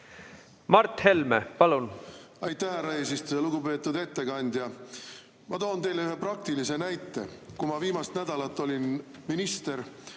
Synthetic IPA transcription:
mɑrt̪he̞lmḛpɑlun | ɑjt̪ːˑæhæɾɑesist̪eeluɡupe̞ːt̪ːˑud̪e̞t̪ːe̞kɑnʲd̪̥jɑ | mɑt̪o̞ːnt̪e̞jleyɦe̞prɑk̚t̪ilise̞næjt̪ˑːe̞̰kumɑviːmɑst̪næd̪̥ɑlɑt̪ːˑo̞lʲin | minist̪e̞ɾ

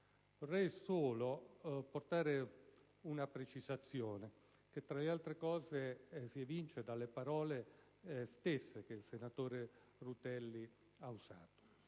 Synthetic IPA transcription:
vorːɛjsoːloport̪aːɾe | unapɾet͡ʃizat̪sːjɔːne | k̟et̪ːɾalealt̪ɾekɔːzesivint͡ʃed̪alːepaɾɔːle | st̪esːekeilsenat̪oːɾe | rut̪ɛlːi | auza̰ːt̪o̥

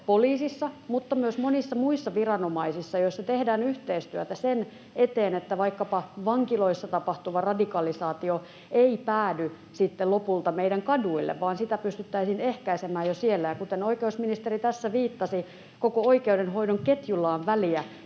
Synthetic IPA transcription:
poliːsisːɑmut̪ːɑmyøsmonisːɑmuisːɑʋirɑnomɑisisːɑjoisːɑt̪ehdæːnyht̪eist̪yøt̪æsen | et̪eːnet̪ːæʋɑikːɑpɑʋɑŋkilo̞isːɑt̪ɑpɑht̪uʋɑrɑdikɑlisɑːt̪io | eipæːdy | sit̪ːelopult̪ɑmeidæŋkɑduilːḛʋʋɑːnsit̪æpyst̪yt̪ːæisiːnehkæisemæːjosielːæjɑkut̪enoikeusminist̪erit̪æsːæʋiːt̪ːɑsi | kokooikeudenɦoidoŋket̪julːɑːʋʋæliæ

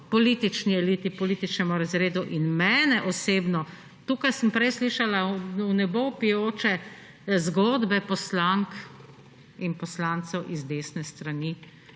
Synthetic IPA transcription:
pɔlit̪it͡ʃniɛliːt̪ipɔliːt̪it͡ʃnɛmuɾazɾeːd̪uʔinmɛːnɛʔɔseːbnɔ | t̪uːkajsəmpɾɛjsliʃalaunɛbowpijoːt͡ʃɛ | zɡoːd̪bɛpɔslaŋk | inpɔslant̪sɛwʔizd̪eːsnɛst̪ɾani

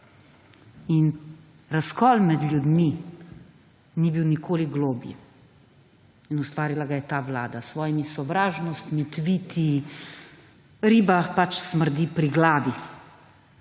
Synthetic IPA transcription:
in | ɾaskɔːlmɛd̪lʲjud̪mi | nibiwnikʰoːliɡloːbḭ | inust̪ʋaːɾilaɡajɛt̪aːʋlaːd̪asʋɔːjimisɔʋɾaːʒnɔst̪mit̪ʋiːt̪ʰi | ɾiːbapat͡ʃsməɾd̪ipɾiɡlaːʋi

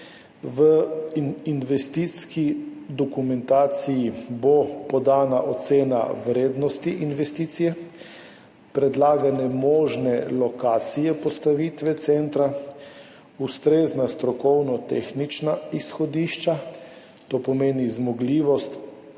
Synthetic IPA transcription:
ʋə | inʋɛst̪it̪skid̪ɔkumɛnt̪aːt̪sijibopɔd̪aːnaʔot̪seːna̰wɾeːd̪nɔst̪iʔinʋɛst̪iːt̪sijɛ | pɾɛd̪laːɡanɛmɔːʒnɛlɔkaːt̪sijɛpɔst̪aʋiːt̪ʋɛt̪sɛnt̪ɾa | ust̪ɾeːznast̪ɾɔkɔwnɔt̪ḛːxnit͡ʃnaisxɔd̪iʃt͡ʃa | t̪opɔmeːnizmɔɡliːʋɔst̪

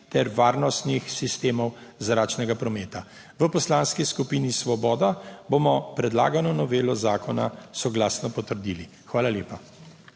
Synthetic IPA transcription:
t̪ɛɾʋaːɾnɔst̪nixsist̪eːmɔwzɾaːt͡ʃnɛɡapɾɔmɛːt̪a | ʋəpɔslaːnskiskupiːnisʋɔbɔːd̪abomɔpɾɛd̪la̰ːɡanɔnɔʋeːlɔzaːkɔna̰sɔɡlaːsnɔpɔt̪əɾd̪iːli | xʋaːlaljeːpa

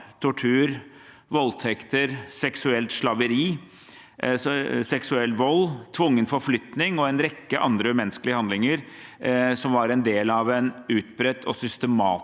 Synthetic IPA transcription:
t̪ʰʊʈʰʉːɾ | ʋɔlt̪ʰɛkt̪əɾsɛksʉɛlt̪ʂlɑʋəɾiː | sɛksʉɛlːʋɔlːt̪ʰʋʊŋːənfɔɾflʏt̪nɪŋɔɛnɾɛkːəʔɑ̰nd̪ɾəmɛnəskəlɪəhɑnd̪lɪŋəɾ | sɔmʋɑɾɛnd̪eːlɑʋɛnʉːt̪bɾɛt̪ʰːɔ̰sʏst̪əmɑ̰ː

